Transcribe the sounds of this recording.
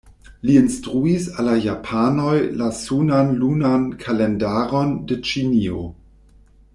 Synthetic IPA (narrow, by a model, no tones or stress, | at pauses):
liinstɾuisalajapʰanojlasunanlunankʰalendaɾo̞ndet͡ʃinio̰